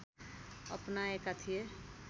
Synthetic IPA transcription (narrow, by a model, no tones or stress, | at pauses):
ə̰pnaekat̪ʰije